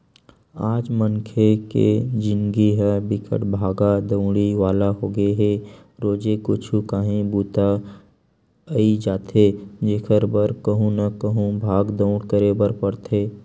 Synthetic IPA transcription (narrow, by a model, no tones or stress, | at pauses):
aːd͡ʒməŋkʰekḛd͡ʒɪ̃nɡiɦɛbɪkʰə̰ʈbʱaːɡad̪ə̃ʊɽiʋaːlaɦoːɡəeɦe | ɾoːd͡ʒekʊt͡ʃʰukaːɦĩbuːt̪a | əid͡ʒaːt̪ed͡ʒekʰəɾbəɾkəɦũnɐkəɦũbʱaːɡd̪əʊ̃ɽkəɾebəɾpɐɽt̪ʰeː